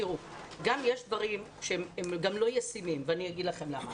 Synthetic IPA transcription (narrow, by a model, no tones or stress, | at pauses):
iʁuɡamjeʃd̪vaʁimʃeememɡamlo̞jasimimveanijaɡid̪laχe̞mlama